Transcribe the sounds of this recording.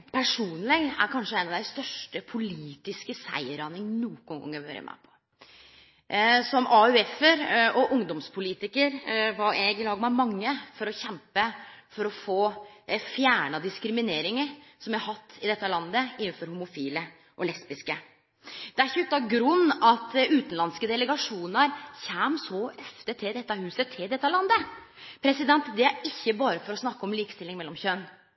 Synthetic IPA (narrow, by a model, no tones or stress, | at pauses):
pʰæʂuːnlɪɡæ̰ɾkʰɑnʂəæɛɪnɑʋd̪æɪst̪œʂʈəpʰʊliːt̪ɪskəsæ̰ɪəɾɑnəŋnuːɡɔŋɡɔ̰ŋːəʋø̰ːɾə̰mʔæ̰pʰɔ̥ | sɔmʔɑʉɛfəɾɔʔʊŋd̪ɔmspʰʊliːt̪ɪkəɾʋɑɾɛɡɪlɑːɡmɛmɑŋːəfɔɾɔçɛmpəfɔɾɔfoːfjæːɳɑd̪ɪskɾɪmɪneːɾɪŋəɾsɔmæhɑt̪ʰːɪd̪ɛt̪ːəlɑnd̪əɪnnfɔɾhʊmʊfiːlə | ʔɔlɛspɪskə | d̪̥ɛæɾçʉt̪ːɑɡɾʉnːɑt̪ʉːt̪nlɑnskəd̪ɛləɡɑʂuːnəɾçæːmsɔœft̪ət̪ʰɪld̪ɛt̪ːɑhʉːsət̪ʰɪld̪ɛt̪ːəlɑnd̪ə | pʰɾɛsɪd̪ɛnt̪d̪ɛæɾɪçːəbɑːɾəfɔɾɔsnɑkːɔmliːkst̪ɪlːɪŋmɛlːɔmçøn